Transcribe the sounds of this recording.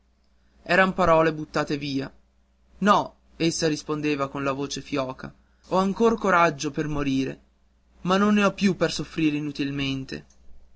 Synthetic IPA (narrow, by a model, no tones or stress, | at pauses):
ɛːɾampaɾɔːlebut̪ːaːt̪eviːa | nɔ | esːaɾispond̪eːvakonlavoːt͡ʃefjɔːkʰa̰ | ɔaŋkorkoɾad͡ʒːopermoɾiːɾḛ | manːonːeɔpːjupːersofɾiːɾeinut̪ilment̪ḛ